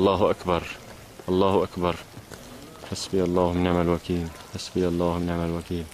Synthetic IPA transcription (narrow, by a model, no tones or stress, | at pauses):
ʔɑlˤːɑːhʔakbɑɾˤ | ʔɑlˤːɑːhʔakbɑɾˤ | ħasbjɑlˤːɑːhmɪnʕamalwakiːlħasbɪʔɑlˤːɑːhmɪnʕamalwakiːl